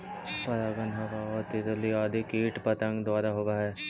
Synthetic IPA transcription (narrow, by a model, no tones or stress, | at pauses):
pɐɾaːɡənɦɐʋaɔːɾt̪ɪt̪əliaːd̪ʱikiːʈpɐt̪ə̃ŋɡd̪ʋaːɾaɦoːʋaɦɛː